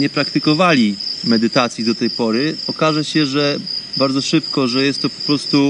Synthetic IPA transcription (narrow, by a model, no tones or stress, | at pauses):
ɲɛpɾakt̪ɘkɔvalʲimɛd̪ɘt̪at̪sʲjid̪ɔt̪ɛjpɔɾɘɔkaʐɛɕɛʐɛbaɾd̪zɔʂɘpkɔʐɛjɛst̪ːɔpɔ̥pɾɔst̪u